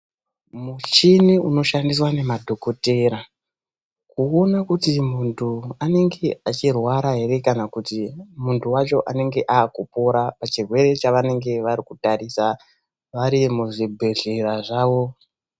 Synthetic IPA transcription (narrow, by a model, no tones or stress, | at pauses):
mut͡ʃiniuno̞ʃandis̬wane̞madʱo̞ko̞te̞ɾa | kuo̞nakutimuntʰuane̞ŋɡe̞at͡ʃirwaɾaɦe̞ɾe̞kanakutimuntʰuwat͡ʃo̞ʔane̞ŋɡe̞ʔaːkupoɾapat͡ʃirwe̞ɾe̞t͡ʃaʋane̞ŋɡe̞ʋaɾikutaɾisa | ʋaɾimuʐibʱe̞ɮe̞ɾaʐaːʋo̞